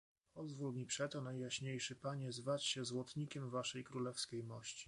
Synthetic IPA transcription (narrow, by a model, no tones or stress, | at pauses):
pɔzvulmʲipʂɛt̪ɔnajjaɕɲejʂɘpaɲɛzvat͡ɕɕɛzwɔt̪ɲikʲɛmvaʂɛjkɾulɛfskʲejmɔɕt͡ɕi̥